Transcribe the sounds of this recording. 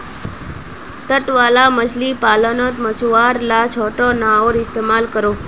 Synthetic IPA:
t̪əʈʋalamət͡ʃʰlipaːlənɔt̪mət͡ʃuʋaɾlat͡ʃʰoʈonãoɾɪst̪emalkəɾo

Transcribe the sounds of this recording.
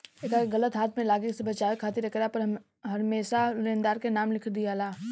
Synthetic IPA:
eːkaɣɐlət̪ɦaːt̪ʰmẽlaːɡəksebɐt͡ʃaːekʰaːt̪ɪɾɐkɾapɐɾ | ɦɐɾmeːsalẽːnd̪aːɾkenaːmlɪkʰɾd̪ijalaː

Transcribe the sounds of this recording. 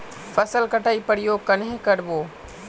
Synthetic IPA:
fɐsəlkɐʈaːipɐɽijokɐnɦẽkɐɽɪboː

